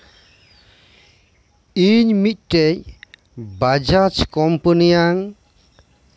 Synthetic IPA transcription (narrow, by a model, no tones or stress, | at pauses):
iɲmit̪̚ˀʈɛc̚ | bad͡ʒat͡ʃkɔmpənijaŋ